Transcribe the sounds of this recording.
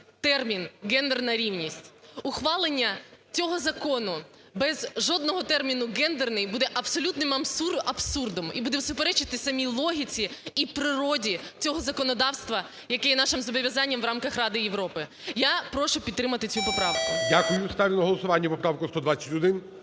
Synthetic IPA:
t̪ɛrmʲinɡɛnd̪ernɐɾʲiwnʲisʲtʲʊxʋɑlˠɪnʲːɐt͡sʲɔɦɔzɐkɔnʊ | bɛzʒɔd̪̚nɔɦɔt̪ɛrmʲinʊɡɛnd̪ernɪjbud̪ɛʔɐbsɔlʲut̪nɪmɐbsuɐbsurd̪ɔmibud̪ɛwsʊpeɾɛt͡ʃɪt̪ɪsɐmʲilˠɔɦʲit͡sʲiipɾɪɾɔdʲit͡sʲɔɦɔzɐkɔnɔd̪ɑwst̪ʋɐ | jɐkɛjɛnɑʃɪmzɔbɔʋʲjɐzɑnʲːɐmʋrɑmkɐxrɑd̪ɪjeʋɾɔpɪjapɾɔʃʊpʲid̪t̪ːɾɪmɐt̪ɪt͡sʲupɔpɾɑʋkʊdʲakʊjʊst̪ɑʋʲɪnɐɦɔlˠɔsʊʋɑnʲːɐʋɔpɾɑʋkʊst̪ɔd̪ʋat͡sʲːɐtʲɔd̪ɪn

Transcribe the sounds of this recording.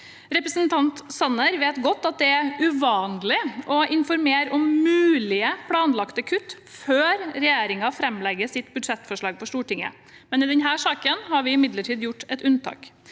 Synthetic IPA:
ɾɛpɾəsənt̪ʰɑnt̪sɑnəɾʋeːt̪ɡɔt̪ːɑt̪̚d̪ɛæɾʉʋɑːnlɪʔɔɪnfɔɾmeːɾɔmmʉːlɪəpʰlɑːnlɑkt̪əkʰʉt̪ː | føːɾɾɛjeːɾɪŋɑfɾɛmlɛɡːəsɪt̪bʉd̪ʂɛt̪ːfɔʂɭɑːɡ̚pʰɔʂt̪uːʈɪŋːə̰ | mɛnɪd̪ɛnɦæːʂɑːkənhɑɾʋɪɪmɪd̪ləʈʰiːd̪jʊʈːɛt̪ʉnt̪ʰɑ̰ːk

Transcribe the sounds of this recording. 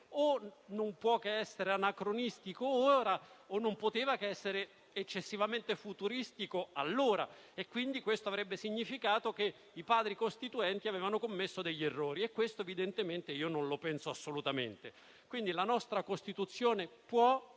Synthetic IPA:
onompwɔːkeɛsːeɾeanakɾonist̪ikooːɾaonːompot̪eːvakeɛsːeɾe | et͡ʃːesːivament̪efut̪uɾist̪ikoalːoːɾa̰ekːwind̪ikwest̪oavɾɛbːesiɲːifikaːt̪oke | ipaːd̪ɾikost̪it̪uɛnt̪iaveːvanokomːesːod̪eʎːerːoːɾiekːwest̪oevid̪ent̪ement̪eiːononlopɛnsoasːolut̪amḛnt̪e | kwind̪ilanɔst̪ɾakost̪it̪ut̪sːjoːnepwɔ

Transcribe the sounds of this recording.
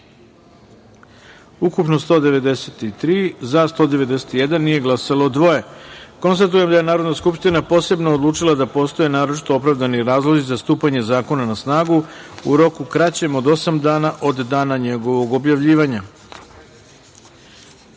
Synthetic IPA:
ukupno̞st̪o̞ːd̪e̞ʋe̞d̪e̞set̪it̪ɾiːzast̪o̞ːd̪e̞ʋe̞d̪eset̪ijed̪anːije̞ɡlˠasaloːd̪ʋo̞je̞ko̞nst̪at̪̬uje̞md̪aje̞naːɾo̞d̪naskupʃt̪inapo̞ːse̞bnood̪lˠuːt͡ʂilˠad̪apo̞ːst̪o̞jenaːɾo̞t͡ʃi̥t̪o̞opɾaʋd̪aniɾaːzlˠo̞zizast̪uːpaɲe̞zaːko̞nanasnaːɡuṵɾo̞kukɾat͡ɕe̞mo̞d̪o̞samd̪aːnaʔo̞d̪ːaːnaɲe̞ɡo̞ʋo̞ɡo̞bjaʋʎiːʋaɲa

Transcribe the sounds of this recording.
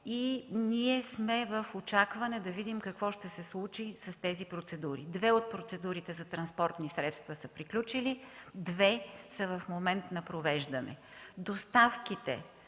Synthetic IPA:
iniɛsmɛvəfot͡ʃakvɐnɛd̪ɐvid̪imkɐkvɔʃt̪ɛsɛslˠut͡ʃisɐst̪ɛzipɾot̪sɛd̪uɾḭd̪vɛot̪̚pɾot̪sɛd̪uɾit̪ɛzɐt̪ɾɐnspɔɾt̪nisɾɛt̪st̪vɐsəpɾiklʲut͡ʃilid̪vɛsɐvɐfmomɛnt̪nɐpɾovɛʒd̪ənɛ̰d̪ost̪afkit̪ɛ̰

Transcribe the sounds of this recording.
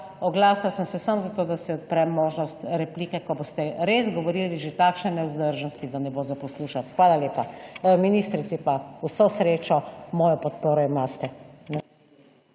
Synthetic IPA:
ɔɡlaːslasəmsɛsamzat̪oːd̪asɛɔt̪̚pɾɛmːoːʒnɔst̪ɾɛpliːkɛkɔboːst̪ɛɾezɡɔʋɔɾiːliʒet̪akʃnɛnɛuzd̪əɾʒnɔst̪id̪anɛbozapɔsluːʃat̪xʋaːlaleːpaminiːst̪ɾit̪sipausɔsɾeːt͡ʃɔmɔːjɔpɔt̪poːɾɔimaːst̪ɛn

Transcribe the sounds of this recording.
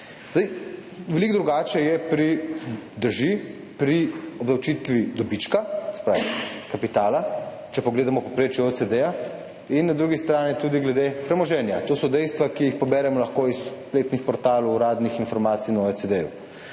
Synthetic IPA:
zd̪aj | ʋɛliɡd̪ɾuɡaːt͡ʃɛjɛpɾid̪əɾʒi | pɾiɔbd̪ɐwt͡ʃit̪ʋid̪ɔbit͡ʃkasɛ̥pɾa̰ːʋikapit̪aːla | t͡ʃɛpɔɡleːd̪amɔpɔpɾeːt͡ʃjuosed̪ɛja | innad̪ɾuɡist̪ɾaːnit̪ud̪iɡlɛd̪epɾɛmɔʒɛnjat̪oːsɔd̪ɛjst̪ʋakijixpɔbɛːɾɛmɔlɐxkoispleːt̪nixpɔɾt̪aːlɔɾaːd̪nixinfɔɾmaːt̪sijnoesed̪ɛjṵ

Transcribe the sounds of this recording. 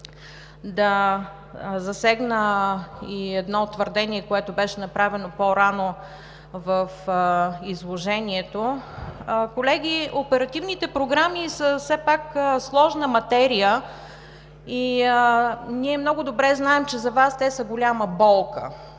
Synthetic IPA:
d̪ɐ | zɐsɛɡnəiɛd̪nɔt̪ːvəɾd̪ɛniɛkoɛt̪obɛʃɛnɐpɾavɛnopoɾano | vɐf | izlˠoʒɛniɛt̪o | kolɛɡʲiopɛɾɐt̪ivnit̪ɛpɾoɡɾamisəsɛpakslˠɔʒnəmɐt̪ɛɾijə | i | niɛmnɔɡʊd̪obɾɛznaɛmt͡ʃɛzɐvast̪ɛsəɡolʲaməbɔlˠkə̰

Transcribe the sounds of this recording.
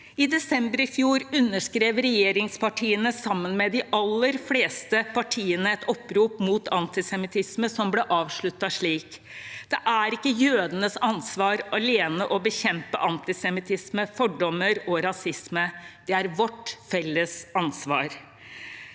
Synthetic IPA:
ɪd̪ɛsɛmbəɾɪfjuːɾʉnːəʂkɾeːʋɾɛjeːɾɪŋspɑʈʰiːənəsɑmːənmɛd̪ɪʔɑlːəɾfleːst̪əpɑʈʰiːənəɛt̪ɔpːɾuːpmuːt̪ʰɑnt̪ɪsɛmɪt̪ʰɪsməsɔmbleːʔɑːʋʂɭʉt̪ːɑʂɭiːk | d̪̥ɛʔæɾɪkːəjøːd̪ənəsɑnsʋɑːɾɑleːnəʔɔbəçɛmpə̰ʔɑnt̪ɪsɛmɪt̪ʰɪsməfɔɖɔmːəɾɔɾɑsɪsməd̪̥ɛæɾʋɔʈfɛlːəsɑnsʋɑ̰ːɾ

